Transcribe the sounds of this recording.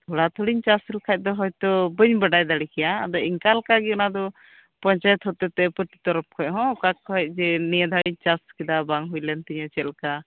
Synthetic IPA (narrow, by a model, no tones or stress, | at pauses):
t̪ɔɽat̪ʰɔɽiɲt͡ʃasəlkʰac̪̚ˀd̪ɔɦɔjt̪ɔbəɲbəɖajd̪aɽikɛja̰ːd̪ɔiŋkalkaɡiɔnad̪ɔ | pɔɲt͡ʃajɔt̪ɦɔt̪ɛt̪ɛpəʈi̥t̪ɔɾɔp̚kʰɔʔɦɔ̃ɔkakɔɦɛc̚ˀd͡ʒɛnijɛd̪ʱaɽiɲt͡ʃaskid̪abaŋɦujlɛnt̪iɲɔt͡ʃɛlka